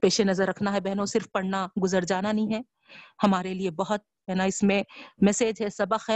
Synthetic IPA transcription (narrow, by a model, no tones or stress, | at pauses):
peːʃenɐzəɾːɐkʰnaɦɛbɛɦnõsɪɾfpɐɽnaɡʊzəɾd͡ʒaːnanɐɦĩɦɛ̃ː | hɐmaːɾeliebɐɦʊt̪̚ | ɛːnaɪsmẽmɛseːd͡ʒɦɛsɐbəxɦɛ